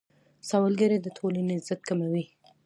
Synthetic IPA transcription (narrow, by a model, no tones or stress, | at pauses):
sɑwalɡaɾed̪ət̪ʰolanezət̪̚kamawi